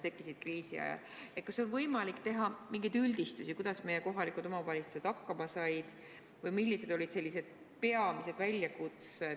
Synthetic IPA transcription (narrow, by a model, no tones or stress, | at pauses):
t̪e̞kːˑisid̪̥̚kriːsḭɑ̰jɑ̰l | et̪kɑso̞nvɤjmɑlikːt̪e̞ɦɑmiŋɡed̪yld̪̥ist̪usikujd̪̥ɑsme̞jeko̞ɦɑlikud̪̥o̞mɑvɑlʲist̪u̥se̞d̪̥hɑkːɑmɑsɑjd̪̥ | vɯjmilʲːise̞d̪̥o̞lʲid̪̥se̞lːise̞d̪̥ | pe̞ɑmise̞d̪̥vælʲjɑkut̪se